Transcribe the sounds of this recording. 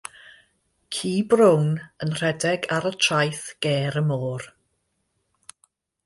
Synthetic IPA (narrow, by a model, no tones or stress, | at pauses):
kʰiːbrownənr̥ɛdɛɡaɾətʰrajθɡ̥ɛːɾəmɔːr